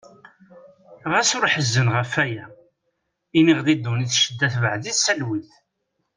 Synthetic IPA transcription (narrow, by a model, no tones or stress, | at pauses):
ʁæsʊɾħəzːənʁəfæjæ | iniʁlid̪ːuniθʃəd̪ːæθvəʕðiθsælwiθ